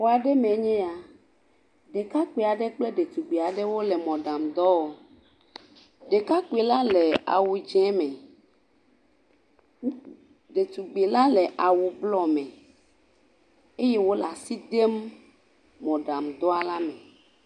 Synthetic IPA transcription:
wo˨a˨ɖe˦mẽ˨ɲɛ̃˦a˨ | ɖe˨ka˦k͡pe˨a˨ɖe˦k͡ple˦ɖe˨t̪u˨ɡ͡be˨a˨ɖe˦wo˦le˨mɔ̃˨ɖa˨md̪ɔ˦o˨ | ɖe˨ka˦ke˨la˦le˨a̰˨wu˨d͡ʒɛ̃˦mɛ̃˨˦ | ɖe˨t̪u˨ɡ͡be˨la˦le˨ʔa˨wu˨blɔ˦mɛ̃˨ | e˦je˦wo˦la˨si˦d̪e˦mː | ɔ̃˨ɖa˨md̪ɔ˦a˨la˦mɛ̃˨

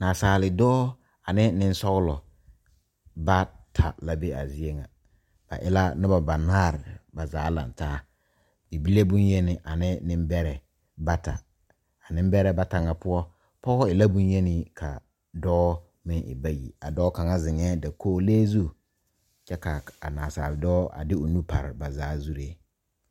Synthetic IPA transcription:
naː˨saː˨lɪ˨dɔː˦ | a˨nɪ˦nɪ˦n˦sɔ˦ʊ˦lɔ˨ | ba˦tʰa̰˨la˨be˦a˨zɪ˦e˦ŋa̰˨ | b̥a̰˨ʔɪ˦la˦nɪ˦ba˨ba˨naː˦˨ɾɪ˨ba˨zaː˨˦la̰˨n˨taː˦ | bi˨bi˦le˦bʊ˦nje˦nɪ˨ʔa˨nɪ˦nɪ̃˦m˦bɛ˦ɾɛ˨ | ba˦ta̰˨ | a˨nɪ̃˦m˦bɛ˦ɾɛ˦ba˦ta˨ŋa˨pʊ˦ɔ˦ | pɔ˦ɣɔ˦ɪ˨la˦bʊ̃˦njɛ˦nɪ˦kʰa̰˨ | dɔː˦ | mɪ˦ŋʔɪ̰˨ba˦jḭ˨a˨dɔː˦ka˨ŋa˦zɪ˨ŋɛː˦da˨kʰoː˦leː˦zu˦ | t͡ʃɛ˦ka˨a˨naː˨saː˨ldɔː˦a̰˨dɪ˦ʊ˨nu˦pa˨ɾɪ˨ba˨zaː˨˦zu˦ɾe˦

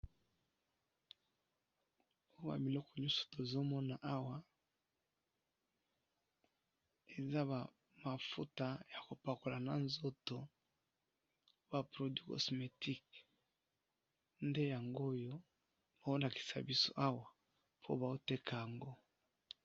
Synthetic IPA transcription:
o˦wa̰˨mi˨lɔ˦kɔ˨ɲɔ˦su̥˨to˨zo˦mɔ˦na˨ʔa˦wa˦ | e˨za˦βa˨ | ma˨fu˦ta˨ja˨ko˨pa˨ko˨la˨na˨nzo˦to˨˦ | ba˨pʁo˨di˦kɔ̰˨sme˨ti˦k | nde˦ja˨ŋɡo˦jo˦ | ba˨o˦la˨ki̥˨sa̰˨bi˦so̰˦˨ʔa˦wa˨ | pʰo̰˦ba˨o˦te˦kʰa˨ja˨ŋɡo˦

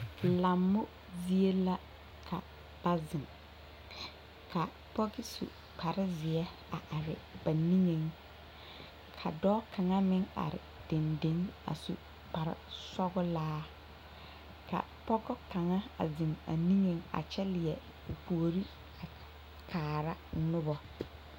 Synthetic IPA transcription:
la˨mːʊ˦ | zi˦e˦la˦ | kʰa̰˨ | b̥a˦zɪ˨ŋ | kʰa˨ | pɔ˦ɡɪ˦sṵ˨ | pa˨ɾɪ˦zɪ˨ɛ˦ | a˨ʔa˨ɾɪ̰˨b̥a˨ni˦ŋe˨ŋ | kʰa̰˨dɔː˦ka˨ŋa˦mɪ˦ŋa̰˨ɾɪ̰˨d̥e˨nde˦ŋa̰˨sṵ˨ | k͡pa˨ɾɪ̰˦sɔ˦ɡʊ˦laː˦ | kʰa̰˨ | pɔ˦ɡɔ˦ka˨ŋa˦a̰˨zɪ˨ŋa̰˨ni˦ŋe˦ŋa̰˨t͡ʃɛ˦lɪ˨jɛ˨ | u˨pu˨o˨ɾi˦ | a˨ | kʰaː˨ɾa˦nʊ˦bɔ˨

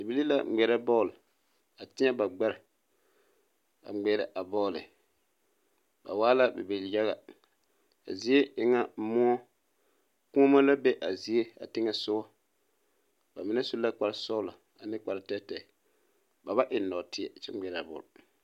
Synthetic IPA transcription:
di˨bi˦li˦la̰˦˨ɡ͡bɛ˨ɾɛ˦bɔ˦˨l | a˨tɪ˦ɛ˦ba˨ɡ͡ba˦ɾɪ˨ | a̰˨˦ɡ͡bɛ˨˦ɾɛ̰˨ʔa˨bɔː˦˨lɪ̰˨ | ba̰˨waː˦la˦bḛ˨bi˨lja˦ɣa˨ | a̰˨zi˦e˦ʔɪ˨ŋa˦mɔ˦ɔ˦ | ku˦ma˦la˦be˦ʔa˨zi˨e˦a̰˨tɪ˦ŋɛ˦sʊ˦ɣɔ˦ | ba˨mɪ˦nɛ˦su˦a˦k͡pa˨ɾsɔ˦la˨ | a˨nɪ˦k͡pa˨ɾtɛ˦tɛ˨ | ba˨ba˦ʔɪ˨nɔ˨tɪ˦ɛ˨t͡ʃɛ̰˦ɡ͡bɛ˨ɾa˨bɔ̰ː˨l

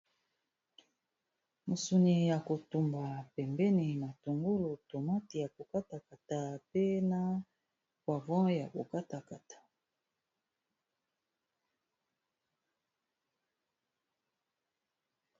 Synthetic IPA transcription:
mu˨su˨ni˨ja˨ko˨tu˨mba˨pɛ˨mbɛ˦ni˨ma˨to˨ŋɡu˦lo˨to˨ma˦ti˨ja˨ko˨ka˦ta˨ka˨ta˨pe˦na˦ | kwa˨vɔ̃˦ja˨ko˨ka˦ta˨ka˨tḁ˨

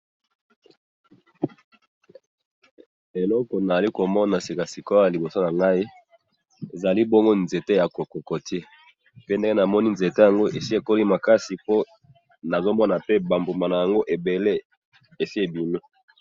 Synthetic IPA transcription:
e˨lɔ˦kɔ˨na˨a˨li˦ko˨mɔ˦na˨si˨ka˨si˨ko˦ja˨li˨bo˨so˦na˨ŋɡa˦i˦ | e˨za˨li˦bɔ˦ŋɡo˦nze˨te˦ja˨ko˨ko˨ko˨tʰe˦ | pe˦nde˦ŋɡe˦na˨mɔ˦ni˦nze˨te˦ja˨ŋɡo˦ʔe˨si˦e˨ko˦li˦ma˨ka˦si˨po˦ | na˨zo˦mɔ˦na˨pe˦ba˨mbo˨ma˨na˨ja˨ŋɡo˦ʔe˨be˨le˦ | e˨si˦e˨bi˨no˦

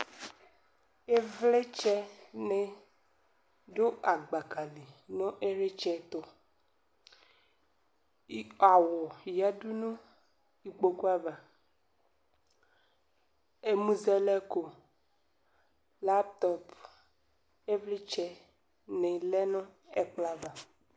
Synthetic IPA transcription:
e˦vle˦t͡ʃɛ˦nẽ˨ | ɖo˦ʔa˨ɡ͡ba˨ka˨li˨nɔ̃˦ʔe˦ɾe˦t͡ʃɛ˦t̪o˨˦ | a˨wɔ˨ja˦du˦nũ˦ | i˨k͡po˨ku˦a˦va˨ | e˦mũ˦zɛ˦lɛ˦ko˨ | la˦pt̪ɔ˦p | e˦vli˦t͡ʃɛ˦ | nɛ˨lɛ˦nɔ̃˦e˦k͡pla˦va˨

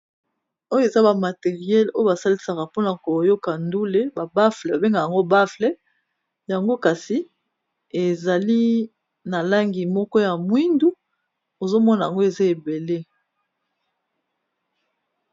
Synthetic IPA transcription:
o˦jo˦e˨za˦ba˨ma˨te˨ʁi˨jɛ˦lo˦jo˦ba˨sa˦li˦sa˨ka˨po˦na˨ko˨jo˦ka˨ndu˦le˦ba˨ba˦flɛ˨ba˨be˦ŋɡa˨ja˨ŋɡo˦ba˦flɛ˦ | ja˨ŋɡo˦ka˨si˨ | e˨za˨li˦ | na˨la˦ŋɡi˨mɔ˦kɔ˦ja˨mwi˦ndu˦ | o˨zo˦mɔ˦na˨ja˨ŋɡo˦e˨za˦e˨be˨le˦

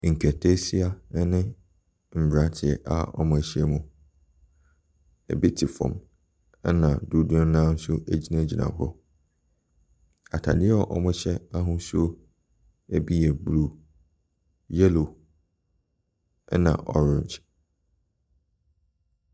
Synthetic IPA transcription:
ŋ̩˨kʰɛ˨tʰe˦si˦a˨˦nɪ̃˦ | m̩˨bɾa˨˦tʰɪ˨ɛ̰˨ʔa̰˦ɔ̰˦mʊ̃˨ɕi˦ɛ˦mũ˨ | ɛ̰˨bi˦tʰi˨fɔ̰̃˨m | ɛ˦nã˨du˦dʊ̃˦nã˦n̩˦sʊ˦ʔæ˦d͡ʑi˦nã˦˨d͡ʑi˨nã̰˨hɔ̰˦ | a˨tʰa̰˨dɪ˦ɛ˦ɔ˦ʔɔ˦mʊ̃˦ɕɛ˦a˦ɦʊ̃˦su˦o˦ | æ˦bi˦jɛ˨blu˦ | jɛ˦lo˨ | ɛ˦nã̰˨ʔɔ̰˦ɾɪ̃˨nd͡ʒ

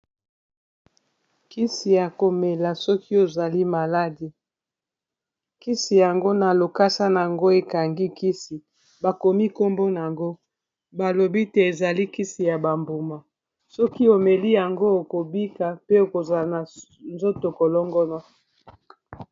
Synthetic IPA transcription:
ki˦si˨ja˨ko˨me˨la˨sɔ˦ki˦o˨za˨li˦ma˨la˦di˨ | ki˦si˨ja˨ŋɡo˦na˨lo˨ka˦sa˦n˨a˨ŋɡo˦e˨ka˨ŋɡi˦ki˦si˨ | ba˨ko˨mi˦ko˦mbo˦n˨a˨ŋɡo˦ | ba˨lo˨bi˦te˨e˨za˨li˦ki˦si˨ja˨ba˨mbo˨ma˨ | sɔ˦ki˦o˨me˨li˦ja˨ŋɡo˦o˨ko˨bi˦ka˨pe˦o˨ko˨za˨na˨ | nzo˦to˨ko˨lɔ˦ŋɡɔ˦nɔ˦

